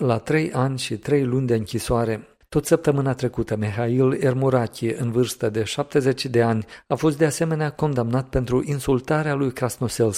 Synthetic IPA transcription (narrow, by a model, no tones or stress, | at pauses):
lat̪ɾe̞jʔanʲʃit̪ɾe̞jlunʲd̪e̞ɨŋkʲisoaɾe̞ | t̪o̞t̪səp̚t̪əmɨnat̪ɾe̞kut̪əmeɦaile̞rmuɾakʲiʔɨnvɨrst̪əd̪e̞ʃap̚t̪e̞ze̞t͡ʃed̪e̞anʲafo̞s̬t̪̚d̪ease̞me̞neako̞nd̪amnat̪̚pe̞nt̪ɾuʔinsult̪aɾealujkɾasno̞sels